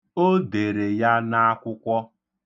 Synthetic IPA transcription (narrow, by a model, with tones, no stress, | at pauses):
o˦de˨ɾe˨ja˦na˦a˦kʷʊ˦kʷɔ˦